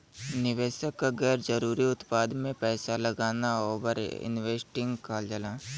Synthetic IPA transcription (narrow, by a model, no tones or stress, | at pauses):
nɪʋeːʃəkːaɡɛːɾd͡ʒɐɾuːɾiʊt̪paːd̪mẽpɛːsalɐɡaːnaoːʋəɾɪ̰nʋeːsʈɪ̃ŋɡkaːld͡ʒəlaː